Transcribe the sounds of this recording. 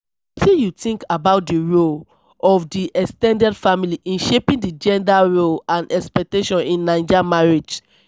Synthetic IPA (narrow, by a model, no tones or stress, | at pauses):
tijutĩŋkabaʊt̚diɹol | ɔfdiʔɛstɛ̃ndɛdfamiliʔĩnʃepĩndid͡ʒɛ̃ndaɹolãnɛkspɛk̚teʃɔ̃nĩnːãɪ̃nd͡ʒamaɹed͡ʒ